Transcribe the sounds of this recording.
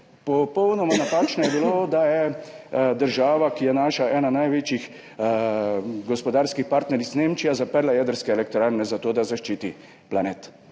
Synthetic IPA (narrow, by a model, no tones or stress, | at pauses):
pɔpɔwnɔmanapaːt͡ʃnɔjɛbilod̪ajɛ | d̪əɾʒaːʋakijɛnaːʃaʔɛːnanajʋet͡ʃjix | ɡɔspɔd̪aːɾskixpaɾt̪nɛɾizneːmt͡ʃijazapəɾlajɛd̪əɾskɛɛlɛk̚t̪oɾaːɾnɛzat̪oːd̪azaʃt͡ʃiːt̪i | planeːt̪